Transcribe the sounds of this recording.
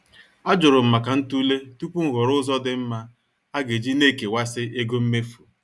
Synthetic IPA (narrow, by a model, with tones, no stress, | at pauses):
a˦d͡ʒʊ˨ɾʊ˨m̩˨ma˨ka˨n̩˦tu˦le˦tu˦pu˦ŋ̩˦ɣɔ˨ɾʊ˦zɔ˦dɪ˨m̩˦ma˦ | a˦ɡe˨d͡ʒi˦ne˦ke˨wa˦sɪ˦ʔe˦ɡo˦m̩˦me˦fu˨